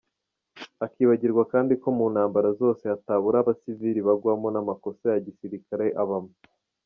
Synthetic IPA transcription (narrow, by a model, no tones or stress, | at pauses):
akiːβaɟiɾɡwakaːndiko̞muːnhaːmbaɾazo̞ːse̞ataβuɾaβasiviɾiβaɡwamo̞namako̞sajaɟisiɾikaɾeʔaβamo